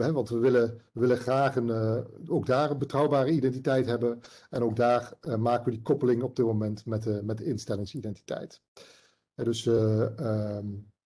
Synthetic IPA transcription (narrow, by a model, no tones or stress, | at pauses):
ɦɛʋɑntʋəʋɪləʋəʋɪləχraːχənowɡ̚daːrənbətrɑwbaːrəidɛntitɛjtɦɛbənɛnowɡ̚daːɹmaːkəʋədikɔpəlɪŋɔb̚dɪt̚momɛntmɛtmɛt̚dɪnstɛlɪŋsidɛnti̥tɛ̰jt | ɦɛdɵsəə